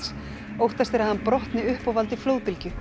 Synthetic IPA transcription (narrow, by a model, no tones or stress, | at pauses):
s | owht̪ast̪ɪɾaðhanpɾɔht̪nɪʏhpɔvalt̪ɪfloːwpɪlcʏ